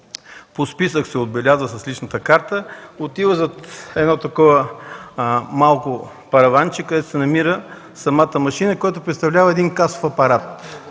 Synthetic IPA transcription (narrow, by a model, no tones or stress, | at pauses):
pospisəksɛod̪bɛlʲazvəsɐslit͡ʃnət̪əkaɾt̪əot̪ivəzɐt̪ɛd̪nɔt̪ɐkɔvə | malˠkʊ | pɐɾɐvant͡ʃikəd̪ɛt̪o̥sɛnɐmiɾə | sɐmat̪əmɐʃinəkojat̪ʊpɾɛt̪st̪ɐvlʲavəɛd̪inkaso̥fɐpɐɾat̪